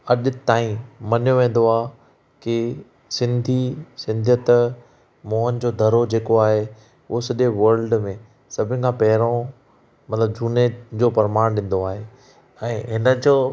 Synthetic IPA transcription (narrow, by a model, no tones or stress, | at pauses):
ɐʄʊ̆t̪aːĩmɐnjoʋẽːn̆d̪oaː | kɪ | sɪ̃nd̪ʱisɪ̃nd̪ʱjət̪ | moːɦənɪ̆d͡ʑoːd̪ʱɐɾod͡ʑeːkoaːɦe | ʊɦsɐɗeʋɐɾlɖmẽ | sɐbʱɪnɪ̆kʰãːpɐɦɪɾõ | mɐt̪ləb̚d͡ʑʱuːned͡ʑoːpɐɾmaːɽ̃ɗɪ̃n̆d̪oaːɦe | ɛ̃ːɦɪnəd͡ʑoː